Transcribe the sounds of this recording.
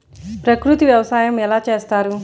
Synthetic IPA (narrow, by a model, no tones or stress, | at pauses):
pɾɐkɾut̪iʋjɐʋɐsaːjɐmɛlaːt͡ʃe̞ːst̪aːɾu